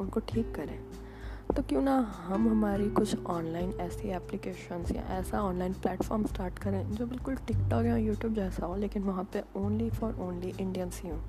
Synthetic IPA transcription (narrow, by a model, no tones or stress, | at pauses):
ʊnkoʈʰiːkːɐɾẽː | t̪oːkjũnãɦɐmɦɐmaːɾikʊt͡ʃʰɔːnlaːɪnɛːsiɛːplɪkeːʃənsjã̰ʔɛːsaɔːnlaːɪnplɛːʈfɔːɾmsʈaːɾʈkɐɾẽːd͡ʒoːbɪlkʊlʈɪkʈɔːkjãjuːʈjuːbd͡ʒɛːsaɦoleːkɪnʋɐɦãpeõːnlifɔːɾʔõːnliʔɪ̃ɳɖijənsiɦũː